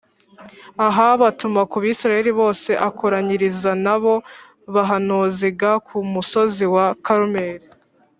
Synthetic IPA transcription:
aɦaβatumakuβiːsiɾaje̞ɾiβo̞ːse̞ʔakʰoɾaɲiɾizanaβo̞ | βaɦanuːziɡakʰumuso̞ziwakaɾumeːɾi

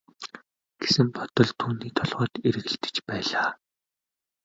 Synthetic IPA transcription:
ɡ̥e̥sɘ̆mpɔt̪ɞ̆ɮt̪ʰuːniːt̪ʰɔɮʁœːt̪eɾɘ̆ɣɘ̆ɬt̪ɘ̥̆t͡ɕpæːɮaː

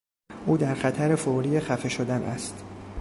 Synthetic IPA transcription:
ʔuːd̪æɾxæt̪ʰæɾefoɾiːexæfe̞ʃod̪ænʔæ̰st̪

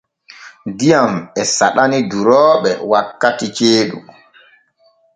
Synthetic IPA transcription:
dijamɛsaɗaniduɾɔːɓɛ̰wakːatit͡ʃeːɗṵ

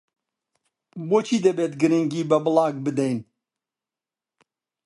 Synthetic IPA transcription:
boːt͡ʃʰiːd̪ɐbeːt̪ɡɨɾɨŋɡiːbɐbɨlɑːɡbɨd̪ɛjn

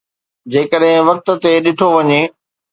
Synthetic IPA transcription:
d͡ʑeːkəɗɦɪ̃ʋɐk̚t̪̆t̪eɗɪʈʰoʋɐɲe

